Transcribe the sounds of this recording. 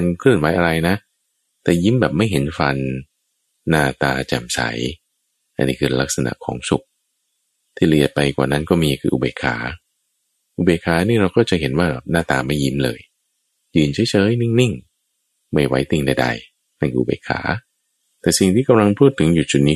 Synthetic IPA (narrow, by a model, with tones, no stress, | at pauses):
nkʰlɯ˥˩ənwaː˦˥jʔa˧ɾa˧jna˦˥ | t̪ɛː˨˩ji˦˥mbɛː˨˩p̚ma˥˩jɦe˩˦nfa˧nː | aː˥˩t̪aː˧t͡ɕɛ̰˨˩msa̰˨˩˦j | ʔa̰˧nːiː˦˥kʰɯː˧la˦˥k̚sa˧na̰˨˩ʔkʰɔ̰ː˩˦ŋsu˨˩k̚ | t̪ʰiː˥˩li˨˩ət̪̚pa˧jkwaː˨˩na˦˥˩nkɔː˥˩miː˧kʰɯː˧ʔṵ˧beː˨˩kʰa̰ː˩˦ | ʔu˧˩beː˨˩kʰːaː˨˦niː˥˩ɾa˧wkɔː˥˩t͡ɕa˨ʔɦe˩˦nwaː˥˩bɛ̰ː˨˩p̚naː˥˩t̪aː˧ma˥˩jːi˦˥mlɤ̰ː˧j | jɯː˧nt͡ɕʰa˦˥jt͡ɕʰɤː˦˥jni˥˩ŋni˥˩ŋ | ma˥˩jwa˦˥jt̪i˧ŋda˧jda̰˧j | na˥˩nkʰɯː˧ʔu˧˩bḛː˨˩kʰa̰ː˩˦ | t̪ɛː˨˩si˨˩ŋt̪ʰiː˥˩ka˧mla˧ŋpʰuː˥˩t̪ʰːɯ˩˦ŋju˨˩t͡ɕu˨˩t̪̚niː˦˥